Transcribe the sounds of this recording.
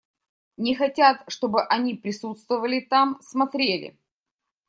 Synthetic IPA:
nʲɪxɐtʲat̪ʂt̪o̞bɨʔɐnʲipɾʲɪsut̪st̪vəvəlʲɪt̪amsmɐt̪ɾʲelʲɪ̰

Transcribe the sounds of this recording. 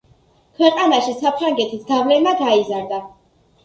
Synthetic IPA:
kʰwɛqʼanaʃisapʰɾaŋɡɛt̪ʰisd̪avlɛnmaɡaizaɾd̪a

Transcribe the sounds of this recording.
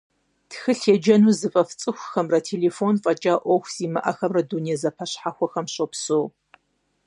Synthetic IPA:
txɨɬed͡ʒɐnuːzɨfʼɐft͡sʼɨxʷxɐmrɐtʰeːleːfonfʼɐt͡ʃʼaːʔʷɔxʷz̥iːmɐʔɐxɐmrɐdunijɐzɐpʰɐɕħaxʷɐxɐmɕʼopsoː

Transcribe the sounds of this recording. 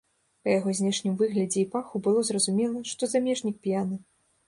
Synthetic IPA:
pɐjaɣɔzʲnʲɛʂnʲimvɨɣlʲɐd͡zʲɛipaxubɨlˠɔzrɐzumʲɛlˠɐʂt̪ɔzamʲɛʐnʲik̚pʲjanɨ

